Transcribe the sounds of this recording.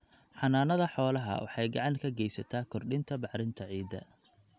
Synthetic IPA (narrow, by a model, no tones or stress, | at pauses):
ħɑnaːnɐðɐħɔːlɐɦɐ̰wɑ̰ħɑjɡɑʕɑŋkʰɐɡɛjsɐt̪ʰaːkʰɔrɖɪnt̪ʰɐbɑħɾɪnt̪ʰɐʕiːd̪ɐ̰